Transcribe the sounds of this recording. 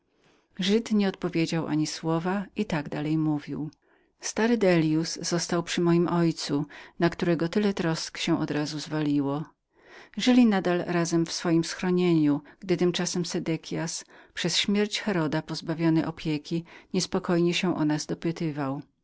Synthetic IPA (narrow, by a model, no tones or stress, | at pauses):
ʐɘt̪ɲɛɔt̪̚pɔvʲjed͡ʑawʔa̰ɲiswɔvait̪aɡd̪alɛjmuvʲiw | st̪aɾɘd̪ɛlʲjuszɔst̪awpʂɘmɔjimʔɔjt̪sunakt̪uɾɛɡɔt̪ɘlɛt̪ɾɔskɕɛ̃ʔɔd̪ɾazuzvalʲiwɔ | ʐɘlʲinad̪alɾazɛmfsfɔjimsxɾɔɲeɲuɡ̥d̪ɘt̪ɘmt͡ʂasɛmsɛd̪ɛkʲʰjaspʂɛsɕmʲjɛɾt͡ɕxɛɾɔd̪apɔzbavʲjɔnɛʔɔpʲjekʲiɲɛspɔkɔjɲɛɕɛ̃ʔɔ̰nazd̪ɔpɘt̪ɘvaw